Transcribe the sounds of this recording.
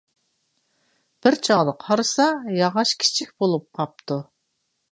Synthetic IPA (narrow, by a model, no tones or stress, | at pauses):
b̥ɪɾt͡ʃʰɑʁd̪əqʰɑɾɨsɑjɑʁɑʃkʲʰi̥t͡ʃʰik̚ʲbolˠup̚qʰɑp̚t̪ʰu